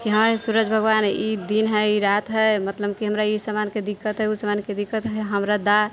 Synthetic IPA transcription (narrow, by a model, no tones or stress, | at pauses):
kiɦəmsuɾəd͡ʒbʱəɡwanid̪inɦɛiɾat̪ɦɛmət̪ləb̚kiɦəmɾaisamanked̪ikːət̪ɦɛusəmanked̪ikːət̪ɦɛɦəmɾad̪a